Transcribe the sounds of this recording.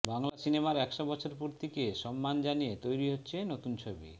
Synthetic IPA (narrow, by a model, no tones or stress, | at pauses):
baŋlasinemaɾɛkʃobɔt͡ɕʰoɾpuɾt̪ʰikeʃɔmːand͡ʑanijet̪ojɾiɦotːɕʰenot̪unt͡ɕʰobḭ